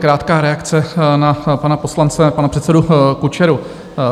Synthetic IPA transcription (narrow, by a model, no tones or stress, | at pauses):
kɾaːt̪kaːɾɛakt͡sɛnapanapo̞slant͡sɛpanapr̥ɛt̪sɛdukut͡ʃɛɾu